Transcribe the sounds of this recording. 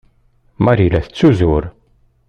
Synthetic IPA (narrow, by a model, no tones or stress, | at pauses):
maɾilæθət͡sːuzʊɾ